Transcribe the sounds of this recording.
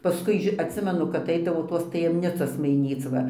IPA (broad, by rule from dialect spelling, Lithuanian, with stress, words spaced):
ˈpɑːskʊɪ ɐtʲˈsʲɪmʲɛnʊ kɐp ˈɛɪdɐʋoː ˈtoːs tɐjɛmʲˈnʲɪt͡soːs mɐɪˈnʲiːt͡s ʋɐ